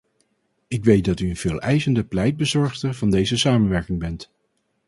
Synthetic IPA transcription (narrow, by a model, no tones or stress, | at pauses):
ɪkʋejt̚dɑtyənv̥ɪːlˠɛjzəndəplɛjd̚bəzɔɹχtəɹvɑndejzəsaːmənʋɛɹkɪŋbɛnt